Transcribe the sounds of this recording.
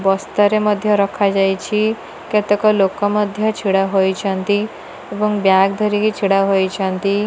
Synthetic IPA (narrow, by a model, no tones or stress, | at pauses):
bɔst̪ɔɾemɔd̪ʱjɔɾɔkʰad͡ʒajt͡ʃʰi | ket̪ekɔlokɔmɔd̪ʱjɔt͡ʃʰiɽaɦojt͡ʃʰɔnt̪i | ebɔŋbjaɡd̪ʱɔɾikit͡ʃʰiɽaɦojt͡ʃʰɔnt̪i